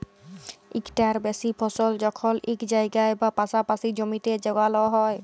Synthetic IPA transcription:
ḭkʈaɹbɛsipʰɔsɔld͡ʒɔkʰɔlikd͡ʒajɡajbapasapasid͡ʒɔmitɛd͡ʒɔɡalɔɦɔj

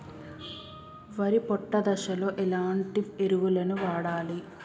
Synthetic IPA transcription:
ʋɐɾipɔʈːɐd̪ɐʃɐlo̞ːʔelaːɳʈieɾuʋulɐnuʋaːɽaːli

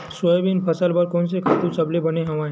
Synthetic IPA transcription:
swəjbinpʰəsəlbəɾkoːnsekʰaːt̪ũsɐblebɐneɦɐʋãːɦẽ

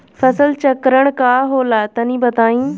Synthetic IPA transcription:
fʰɐsəlt͡ʃɐkɾəɽ̃kaːɦoːlaːt̪ɐnĩːbɐt̪aːĩː

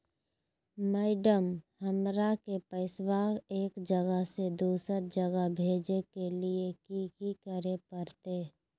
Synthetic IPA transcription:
məɪɖəmhəmɾakepəɪswaːɡeːkd͡ʒəɡəɦsed̪uːsəɾd͡ʒəɡəɦbʱeːd͡ʒekeliekikikəɾepəɾt̪eː

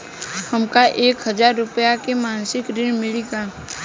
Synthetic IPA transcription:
hɐmkaʔeːkɦɐzd͡ʒaːɾːʊpəjakemaːnsɪkɾɪɽmɪliɡaː

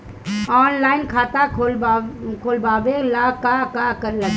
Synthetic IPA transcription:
ɔːnlaːɪnkʰaːt̪akʰolbkʰoːlbaːʋelakakakəɾla

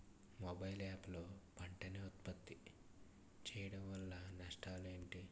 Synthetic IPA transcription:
mobɐjlaːplo̞ːpɐɳʈɐneut̪pɐt̪ːi | t͡ʃɛːjɐɽɐmʋɐlːɐnɐʂʈaːleːɳʈi

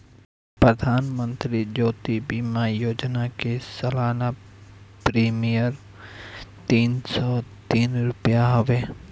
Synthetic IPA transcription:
pɾəd̪ʱaːnmə̃nt̪ɾid͡ʒoːt̪ibimajoːd͡ʒnakesɐlaːna | pɾiːmijəɾ | t̪iːnsɔt̪iːnɾʊpjaɦɐʋeː

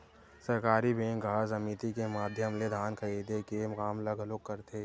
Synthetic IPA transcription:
səɾkaːɾibẽːŋkɡʱaːzɐmiːt̪ikemaːd̪ʱjəmled̪ʱaːnkʰəiːd̪ekemʊkaːmləɡʱəloːkːəɾt̪ʰeː

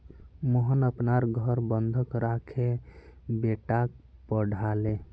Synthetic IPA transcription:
məɦənəpnaɾɡʱəɾbənd̪ʱəkɾakʰe | beʈak̚pəɽ̤ʱale

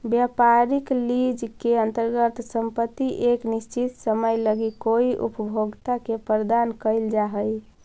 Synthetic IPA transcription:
bjapaɾiklid͡ʒkeənt̪əɾɡət̪səmpət̪ːiʔeknist͡ʃit̪səməjləɡikoiʔṵpəbʱoɡt̪akepɾəd̪ankəɪld͡ʒaɦəj

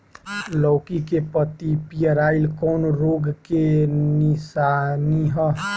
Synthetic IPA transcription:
lɔwkikepət̪ipijəɾailkɔːnɾoɡkenisaniɦə

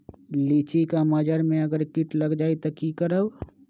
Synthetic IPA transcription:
liːt͡ʃikaməd͡ʒəɾmẽɐɡəɾkɪʈləɡd͡ʒaːit̪okikəɾəw

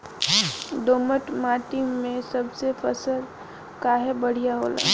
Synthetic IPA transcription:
ɖoːməʈmaːʈimẽsɐbsefəsəɾ | kaːɦebəɽ̤ijaɦo̰ːla̰ː

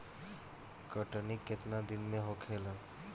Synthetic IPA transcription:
kəʈənikːet̪nad̪inmeɦokʰelə̃

